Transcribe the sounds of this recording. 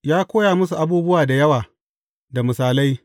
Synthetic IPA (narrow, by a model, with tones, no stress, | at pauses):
jaː˦kʷoː˦jaː˨mʊ˦su˨ʔa˦buː˦bʊ˦waː˨da˨jɐ˦waː˨ | da˨mʊ˨saː˨la˦j